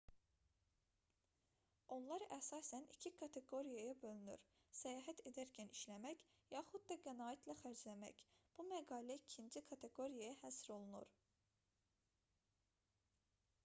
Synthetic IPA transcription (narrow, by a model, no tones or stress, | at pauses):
o̞nlˠɑɾæsɑːsænḭcʰikʰɑt̪ʰe̞ɡo̞ɾijɑjɑbø̞lyny̰ɾ | sæjɑːɦæt̪ʰe̞d̪æɾcʰæniʃlæmæç | jɑχud̪̚d̪ɑɡænɑːit̪ʰlæxæɾd͡ʒlæmæ̰cb̥umæɡɑːlæicʰind͡ʒikʰɑt̪ʰe̞ɡo̞ɾijajɑhæsɾo̞lˠunṵɾ